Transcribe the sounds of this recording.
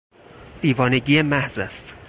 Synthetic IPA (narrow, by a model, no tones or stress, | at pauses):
iːvɒːne̞ɟiːemæhzæst̪